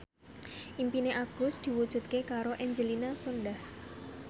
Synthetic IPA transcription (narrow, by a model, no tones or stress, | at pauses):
ʔimpineʔaɡ̥ʊ̤sd̪̥i̤wud̥ʒ̥ṳt̪̚kekaɾoʔɛɲd͡ʒəlinasonɖah